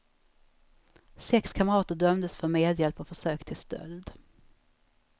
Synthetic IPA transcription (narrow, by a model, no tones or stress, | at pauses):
sɛkskʰaməɾɑːt̪əɖœmd̪əsfœɾmeːd̪jɛlpɔfœʂøːkt̪ʰɪlst̪œ̰ld̪